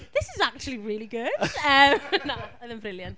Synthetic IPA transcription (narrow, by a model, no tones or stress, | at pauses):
ðɪsɪzak̚t͡ʃul̩ˠiɹɪːliɡʊd̥ʌmnaaðə̃mbɹɪljə̃nt